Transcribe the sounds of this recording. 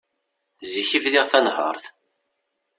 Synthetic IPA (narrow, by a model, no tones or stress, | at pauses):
ziçivðiʁθænhə̰ɾˤθ